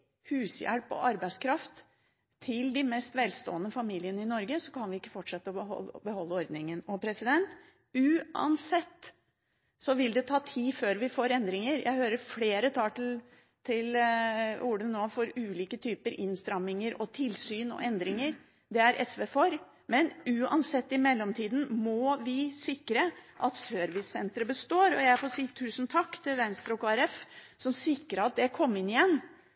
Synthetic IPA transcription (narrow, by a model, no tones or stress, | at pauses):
hʉːsjæ̰ɽpɔ̰ʔɑɾbæɪskʰɾɑft̪ʰː | ɪld̪ɪmɛst̪ʋɛlst̪o̰ːənəfɑmiːlɪənəɪnɔɾɡəsɔkʰɑnʋɪɪkːəfɔʈʂɛt̪ːəɔəɔ̰lbəhɔlːəɔɾd̪nɪŋənɔpʰɾɛsɪd̪ɛnt̪ | ʉːɑ̰nsɛt̪ː | sɔʋɪld̪ɛt̪ʰɑːt̪ʰiːføːɾʋɪfoːɾɛnd̪ɾɪŋəɾjʔæ̰ɪhøːɾəɾfɽeːɾət̪ʰɑːʈ̪l | t̪ʰɪl | uɖənnːoːfɔɾʉːliːkət̪ʰyːpəɾɪ̰nst̪ɾɑmːɪŋəɾʔɔt̪ʰɪlsyːnɔ̰ʔɛnd̪ɾɪŋəɾ | d̪ɛæɾʔɛ̰sʋeːfoɾ | mɛnʉːɑ̰nsɛt̪ːɪmɛlːɔmt̪ʰiːd̪n̩mɔʋɪsɪkːɾəʔɑt̪søːɾʋɪsɛnt̪ɾəbəst̪oːɾɔjæɪfɔsiːt̪ʰʉːsnt̪ʰɑkːt̪ʰɪlʋɛnst̪ɾɔkɑːæɾɛfsɔmsɪkːɾəɑt̪̚d̪ɛkʰɔmːɪnɪjɛnː